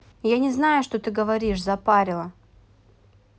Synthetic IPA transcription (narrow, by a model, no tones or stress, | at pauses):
janʲɪznajʊʂt̪ot̪ɨɡəvɐɾʲiʂzɐpaɾʲɪlˠə